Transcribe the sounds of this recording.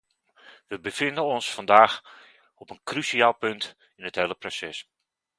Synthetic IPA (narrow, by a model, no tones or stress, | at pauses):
ʋəbəfɪndənɔnsfɑndaːx | ɔpənkrysiaːlˠpɵnt | ɪnɦəthejləprosɛs